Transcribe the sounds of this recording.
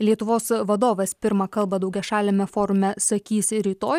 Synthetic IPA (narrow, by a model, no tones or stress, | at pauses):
lʲiɛt̪ʊʋoːsʋɐd̪oːʋɐspʲɪɾmɐkɐlˠbɐd̪ɐʊɡʲɛʃɑːlʲemʲɛfoːɾʊmʲɛsɐkʲiːsʲɾʲiːt̪oːj